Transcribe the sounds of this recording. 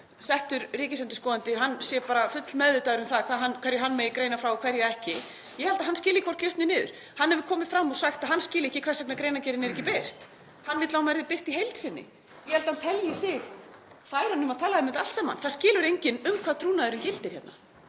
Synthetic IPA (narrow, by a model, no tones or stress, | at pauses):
sɛht̪ʏɾriːcɪsɛnt̪ɪskɔːðant̪ɪɦanːsjɛpaːɾafʏt̪lmɛðvɪt̪aːðɾʏmθaðkʰaːɦanːkʰvɛɾjɪɦanːmeːjkɾeːjnafɾawɔkʰvɛɾjɛɾɛhcɪ | jɛhɛlt̪aɦanscɪːlɪkʰvɔr̥t̪cʏht̪nɪnɪːðʏ̰ɾ̥ | hanːɛvkʰɔːmɪfɾamːɔsaxt̪aðɦanːscɪːlɪɛhcːɪkʰv̥ɛrsɛknakɾejnacɛːɾɪnɛɾɛcːɪper̥t̪ | hanːvɪt̪laːwmɛɾðɪpɪr̥t̪iɦejlt̪sɪnːɪ̰ | jɛhɛlt̪hant̪ʰɛljɪsɪɣ | θaðɛɾhanːʏmaðt̪ʰaːlaɛmɪt̪al̥t̪saːma̰nθaðscɪːlʏɾejɲcɪnʏmkʰvaðt̪ʰɾuːnaðʏɾɪncɪlt̪ɪɾ̥çɛt̪na̰